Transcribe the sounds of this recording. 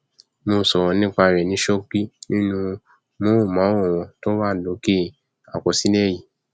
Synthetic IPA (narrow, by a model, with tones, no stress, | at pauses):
mo˧˨sɔ˨wɔ̃˧nĩ˦k͡pa˧˨ɾɛ˨nĩ˨˦ʃo˦k͡pi˦nĩ˦nũ˧ | mõ˨˦˨mã˨˦ɔ̃˦˨w̃ɔ̃˧˨to˦wa˦˨lo˨˦ke˦ | a̰˨kɔ˨si˨˦nɛ˦˨ji˨